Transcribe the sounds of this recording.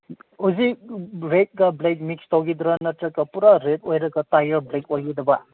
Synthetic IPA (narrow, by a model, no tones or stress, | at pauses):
uziɾet̚ɡɐblek̚mikstowɡid̪ɾɐnɐtɾɐkːɐpuɾaɾetojɾɐɡɐtajɐɾblek̚ojɡid̪ɐbɐ